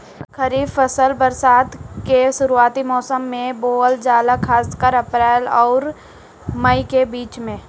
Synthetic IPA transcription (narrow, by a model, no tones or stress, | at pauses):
kʰəɾiːbfəsəlbəɾsaːd̪keʃʊɾuaːt̪imɔːsəmːẽboːəld͡ʒaːlakʰaːskəɾəpɾɛːlɔːɾ | məikebiːt͡ʃmẽː